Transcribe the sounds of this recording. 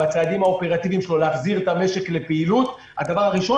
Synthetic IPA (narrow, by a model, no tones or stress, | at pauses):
at͡saːd̪imhaope̞ʁat̪ivimʃelo̞leaχziʁet̪ame̞ʃe̞kle̞peilut̪ | had̪avaʁaʁiʃo̞